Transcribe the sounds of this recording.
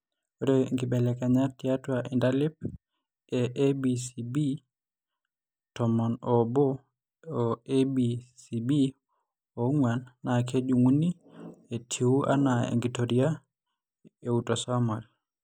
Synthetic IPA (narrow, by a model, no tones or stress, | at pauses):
ɔɾɛŋɡibɛlɛkaɲatiatwaʔɛndalip̚ | ɛʔebisibi | tɔmɔnɔbɔ | ɔebisibi | ɔŋwanːakʰed͡ʒuŋuni | ɛtʰiuʔa̰naɛ̰ŋɡitɔɾia | ɛutɔsamal